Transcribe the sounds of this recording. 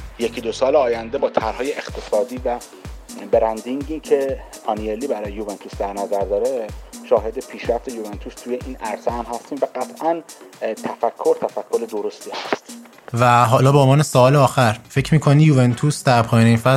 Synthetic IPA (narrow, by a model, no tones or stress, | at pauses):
jecʰid̪osɒːleɒːjænd̪e̞bɒːt̪ʰæɾhɒːjeext̪ʰe̞sɒːd̪iːvæ | beɾænd̪iŋɟiːcʰe̞ | ɒnielːiːbæɾɒːjejuvent̪ʰusd̪æɾnæzæɾd̪ɒːɾeʃɒːɦe̞d̪e̞pʰiːʃɾæft̪ʰejuvent̪ʰust̪ʰuːjeʔiːnæɾseæmɦæst̪iːmvæɡæt̪ʰʔænt̪ʰæfækʰːo̞ɾt̪ʰæfækʰːoɾed̪oɾost̪iːhæst̪ | væɦɒːlɒːbeonvɒːnesoɒːleɒːxæɾfe̞cʰmiːkʰoniːjuvent̪ʰusd̪æɾpʰɒːjɒːneiːnfæ